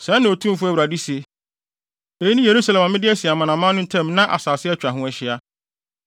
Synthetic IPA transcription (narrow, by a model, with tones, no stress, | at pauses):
sɛ˨˦nã˨o˨tʰũ˦m˦fʊ˦æ˦wɾa˨di˦si˨e˨ | e˨ji˦nĩ˦je˨ɾu˦sa˨lɛ˨ma˨mɪ̃˦dɪ˦ɛ˦sɪ˨a˨mã˨nã˨mã˦nʊ̃˦n̩˦tʰɛ̃˦˨m˦nã˦ʔa̰˨saː˨sɪ˦ɛ˦t͡ɕᶣɾa˨ɦʊ̃˦æ˨ɕɪ˦a˦